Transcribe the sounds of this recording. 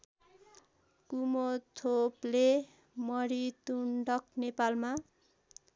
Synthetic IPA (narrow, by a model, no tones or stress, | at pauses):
kumot̪ʰople | mʌɾit̪uɳɖʌknepalma